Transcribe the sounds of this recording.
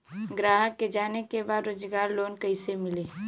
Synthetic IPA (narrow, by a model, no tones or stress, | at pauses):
ɡɾaɦəkːed͡ʒanekebad̪ɾoːd͡ʒɡaːɾlonkəɪsemile